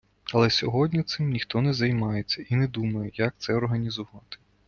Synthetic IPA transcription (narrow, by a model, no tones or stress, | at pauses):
ɐlˠɛsʲɔɦɔdʲnʲit̪sɪmnʲixt̪ɔnɛzɐjmɑjet͡sʲːɐinɛd̪umɐjejɐk̚t̪sɛɔrɦɐnʲizʊʋɑt̪ɪ̥